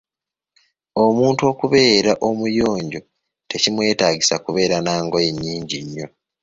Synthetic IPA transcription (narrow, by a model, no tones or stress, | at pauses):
o̞muːntuo̞ːkuβe̞ːɾaʔo̞mujo̞ːɲɟo̞ | te̞cimwe̞ːtaːɟisakuβe̞ːɾanaːŋɡo̞je̞ɲːiːɲɟiɲːo̞